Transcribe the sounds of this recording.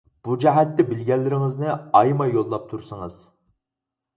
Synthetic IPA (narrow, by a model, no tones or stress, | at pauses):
b̥ud͡ʒɛɦɛt̪ːɛbɪlɡʲɛlːɪɾɪŋɪznɪɑjmɑjolˠːɑp̚t̪ʰuɾsɨŋɨz̥